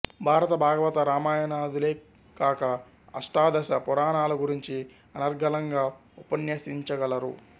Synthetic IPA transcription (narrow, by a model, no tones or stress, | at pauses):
bʱaːɾɐt̪ɐbʱaːɡɐʋɐt̪ɐɾaːmaːjɐnaːd̪uleː | kaːkɐ | ɐʂʈaːd̪ɐsɐpɔɾaːnaːlɐɡuɾiɲt͡ʃi | ɐnɐɾɡʱɐlɐŋɡaːupɐnjɐsiɲt͡ʃɐɡɐlɐɾu